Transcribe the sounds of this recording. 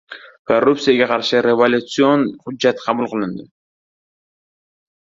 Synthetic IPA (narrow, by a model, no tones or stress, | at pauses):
korːup̚t̪sɨjaɡɑqʰɑɾʃɨɾʲevolʲut̪sɨonχʊd͡ʒd͡ʒɑt̪qʰɑmulˠqɨlˠɨnd̪ɪ